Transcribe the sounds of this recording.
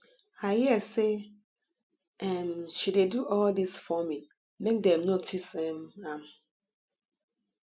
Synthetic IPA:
aɪhiɛse | ɛmʃideduʔɔldisfɔmĩn | mek̚dɛ̃mnotʰisɛmam

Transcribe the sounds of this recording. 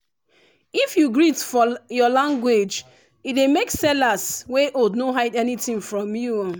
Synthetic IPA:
ifjuɡɹitfɔjɔlãŋɡwed͡ʒ | ilemeksɛlasweʔodnoɦaɪdɛnitĩŋfɹɔ̃mju

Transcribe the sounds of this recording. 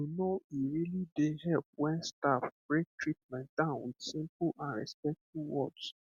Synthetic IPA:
junoiɾilideɦɛlp̚wɛ̃nstafb̥ɹek̚tɹit̚mɛ̃ntd̥ãʊ̃nsĩmpʊʔãnɹɛ̰spɛk̚tuwɔ̰ds

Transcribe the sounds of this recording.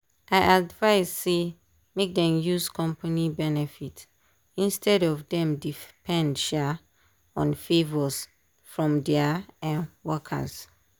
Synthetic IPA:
aɪʔadvaɪzːe | mek̚dɛ̃mjuzkɔ̃mpanibɛnɛfit | ĩnstʰɛdɔvdɛ̃mdipʰɛ̃ndʃa | ɔ̰̃nfevɔs | fɹɔ̃mdɛaɛ̃wɔkʰa̰z

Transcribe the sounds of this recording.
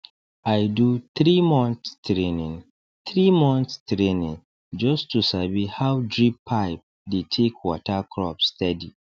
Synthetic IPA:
ajduθɹimɔ̃nstɹẽnĩŋ | θɹimɔ̃nθstɹẽnĩŋ | d͡ʒɔstʰusabihawdɹipʰːaɪp̚ | detʰekʰwɔtʰakʰɹɔpstʰɛdi

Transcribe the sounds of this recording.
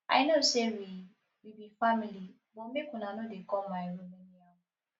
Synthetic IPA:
ʔa̰jnosewi | wibifamili | bɔmekũnanodekɔmajɹomɛ̃nja

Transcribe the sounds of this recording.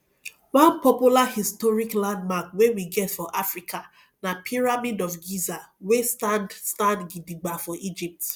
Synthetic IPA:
wãnpɔpjulahistɔɹiklãndmakwewiɡɛtfɔʔafɹikʰa | napʰiɹamidɔfɡizawestandstãndɡidiɡ͡bafɔʔid͡ʒip̚t

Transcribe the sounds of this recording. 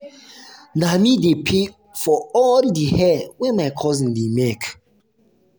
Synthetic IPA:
namidepʰe | fɔɔldihɛwɛ̃nmaɪkʰɔzĩndemek

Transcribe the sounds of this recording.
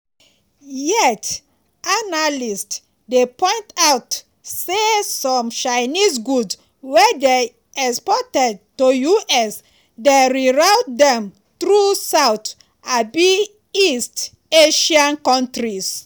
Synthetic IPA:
jɛt | analist | depɔ̃ɪ̃ntawt | sesɔ̃mt͡ʃajnisɡuds | wɛde | ɛspɔtɛd̚tojuʔɛs | deɹiɹawtdɛ̃m | tɾusawt | abi | ist | eʃãnkɔ̃ntɾis

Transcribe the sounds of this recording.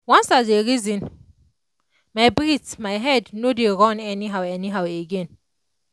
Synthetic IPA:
wãnsazeɹizĩn | majbɹitmajɦɛdnodeɹɔ̃nɛniɦawɛniɦaweɡẽn

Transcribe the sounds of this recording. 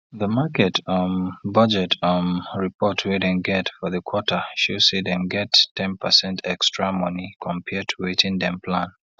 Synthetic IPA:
ðəmakɛtʰɔ̃nbʌd͡ʒɛtʰɔ̃nɹipʰɔtʰwiɾɛ̃nɡɛtfɔðəkʰw̥ɔtʰə˞ʃisiðɛ̃mɡɛtʰːɛ̃npʰəsɛ̃ntʰɛkstɹ̥amɔ̃nikʰɔ̃mpʰɛtʰuwitĩndɛ̃mpʰlãn

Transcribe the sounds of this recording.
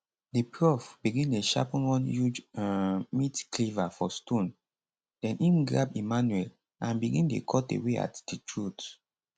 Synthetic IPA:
dipɹɔfbiɡĩneʃa̰pɔ̃nwɔ̃njud͡ʒ | mitklivafɔstɔ̃n | dɛ̃nʔĩmɡɹapimanuɛl | ãnbiɡĩndḛkʰɔtḛwea̰td̥itʰɹut

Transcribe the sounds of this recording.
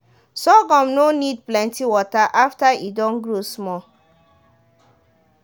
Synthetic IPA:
sɔɡɔ̃mnonid̚plɛ̃ntiwɔtaʔaftaidɔ̃nɡɹosmɔ

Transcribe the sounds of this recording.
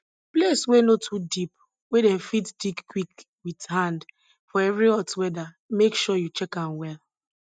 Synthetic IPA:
pleswenotʰudip̚ | wedɛmfitdikːwik | withãnd | fɔɛvɾiɔtwɛda | mekʃɔjut͡ʃɛkãnwɛl

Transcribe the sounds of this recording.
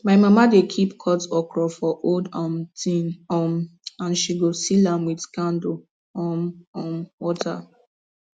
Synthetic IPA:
maɪmamadekʰipkʰɔtɔkʰɹɔfɔʔoldamtĩnɔmãnʃiɡosilãmwidkãndo | ɔmɔwɔtʰa̰

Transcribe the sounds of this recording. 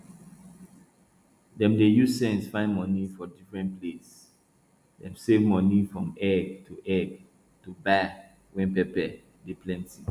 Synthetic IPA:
dɛ̃mdejuzsɛ̃nsfãɪ̃nmɔ̃nifɔdifɹɛ̃nples | dɛ̃msevmɔ̃nifɹɔ̃mɛɡtʰuʔɛɡ | tuba | wɛ̃npɛpɛ | deplɛ̃nti

